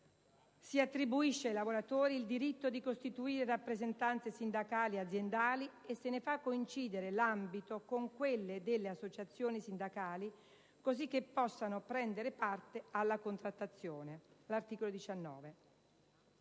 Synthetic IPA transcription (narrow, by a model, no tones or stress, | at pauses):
siat̪ːɾibuiʃːeajlavoɾat̪oːɾiːld̪iɾit̪ːod̪ikost̪it̪uiːɾerapːɾezent̪ant̪sesind̪akaːliad̪zːjend̪aːliesːenefakːoint͡ʃiːd̪eɾelambit̪okoŋkwelːed̪elːeasːot͡ʃat̪sːjoːnisind̪akaːli | kozikːepːɔsːanopɾɛnd̪eɾepart̪ealːakont̪ɾat̪ːat̪sːjoːnelart̪iːkolod̪it͡ʃanːɔ̰ːve